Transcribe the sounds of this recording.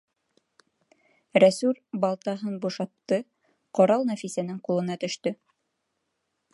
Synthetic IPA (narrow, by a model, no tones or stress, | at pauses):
ɾæsʉɾbɑlˠt̪ɑɦɤnbuʃɑt̪ːɤ | qoɾɑlˠnæfisænɘŋqulˠɤ̆nɑt̪ɵ̆ʃt̪ɵ